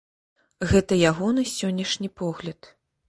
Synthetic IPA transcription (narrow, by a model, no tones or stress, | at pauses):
ɣɛt̪ɐjaɣɔnɨsʲɔnʲːɐʂnʲipɔɣlʲɐt̪